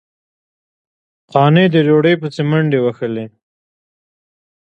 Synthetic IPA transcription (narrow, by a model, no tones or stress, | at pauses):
qɑned̪əɾoɽəjpət͡semaɳɖewaxəle